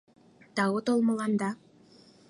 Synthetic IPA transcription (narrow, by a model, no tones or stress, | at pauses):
t̪ɑwot̪olˠmɤ̆lˠɑnd̪ɑ